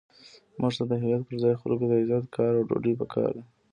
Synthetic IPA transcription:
mʔuʐt̪ad̪əɦɪjat̪̚pəɾzɑjxʊ̰lɡod̪əɪzɑt̪kʰɑɾawɖo̰ɖipəkʰɑ̰ɾd̪e

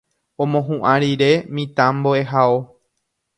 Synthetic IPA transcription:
õmõɦũʔãɾiɾe̞mĩt̪ãmboeɦao

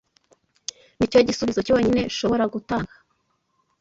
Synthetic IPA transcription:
nico̞ɟisuβizocowoːɲine̞ʃo̞βo̞ɾaɡutaka

